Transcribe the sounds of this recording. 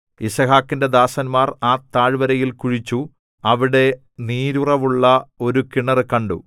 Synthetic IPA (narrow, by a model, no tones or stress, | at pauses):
isɐhaːkːinde̞d̪aːsɐnmaːraːt̪ːaːɻʋɐɾɐjilkuɻit͡ɕːu | ɐʋiɽe̞ | niːɾurɐʋuɭːɐo̞ɾukiɳɐrɨkɐɳɖṵ